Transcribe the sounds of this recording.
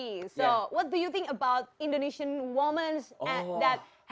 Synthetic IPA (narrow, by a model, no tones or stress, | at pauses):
isowɔt̚dujut̪ɪ̃ŋkəbaʊt̚ɪ̃ndoniʃə̃nwɔmə̃nsd̪æt̚ | h